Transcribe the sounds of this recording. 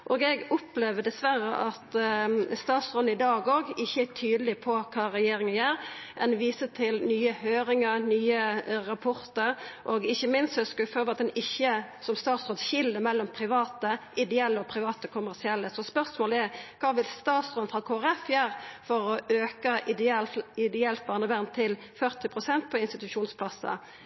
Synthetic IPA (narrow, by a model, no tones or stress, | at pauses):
ʔoːɡɛɡʊpleːʋəd̪ɛsʋæɾə̰ʔɑt̪st̪ɑːt̪sʁɔnəɪd̪ɑːɡoːɡɪçːəæt̪ʰyːd̪əlɪpʰɔkʰɑːɾɛjeːɾɪŋənjæːɾʔɛnʋiːsət̪ʰɪlnyːəhøːɾɪŋəɾnyːəɾɑpʰɔɾt̪əɾʔɔɡɪçːəmɪnst̪ɛskføːʋəɑt̪̚d̪ɛnɪçːəsɔmst̪ɑːt̪sʁɔt̪çɪlːəmɛlːɔmpʰɾɪʋɑːt̪əʔɪd̪ɛɛlːəɔpʰɾɪʋɑːt̪əkʰʊmæʁsɪɛlːəsɔspœʁsmoːlɛkʰɑːʋɪlst̪ɑːt̪sʁɔnfʁɑkʰoːæɾɛfjæːɾfɔɾɔʔøːkəʔɪd̪lɪd̪ɛɛlt̪̚bɑːnəbæʁnt̪ʰɪl | fœʁt̪ɪpʰʁʊsɛnt̪̚pʰɔɪnst̪ɪt̪ʉʂuːnspʰlɑsə̰